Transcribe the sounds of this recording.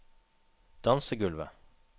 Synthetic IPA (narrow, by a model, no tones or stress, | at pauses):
d̪̥ɑnsəɡʉlʋə̰